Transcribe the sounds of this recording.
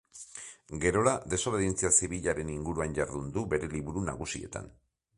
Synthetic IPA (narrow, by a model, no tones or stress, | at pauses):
ɡe̞ɾo̞laðe̞so̞βeðint͡siasiβiʎaɾe̞niŋɡuɾuaɲɟaɾðund̪ube̞ɾe̞liβuɾuna̰ɣusie̞̰t̪a̰n